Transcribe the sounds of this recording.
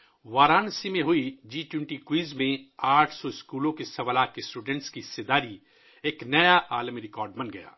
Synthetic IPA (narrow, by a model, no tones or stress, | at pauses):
ʋaːɾaːnsimẽɦʊid͡ʒiːʈɪ̃ɳʈikwiːzmẽaːʈʰsɔɪskuːlõkesɐʋlaːkesʈuːɖɛ̃ɳʈskiɪsed̪aːɾi | eːknɐjaʔaːlmiɾɪkɔːɾɖmɐnɡɐja̰ː